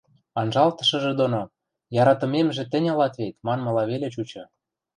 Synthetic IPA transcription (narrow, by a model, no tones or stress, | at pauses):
ɑnʒɑlt̪ɤ̥̆ʃɤ̆ʒĕd̪ono | jɑɾɑt̪ɤ̆memʒĕt̪ɘ̆nʲɑlɑt̪βet̪mɑnmɤ̆lɑβelĕt͡ɕut͡ɕɤ̆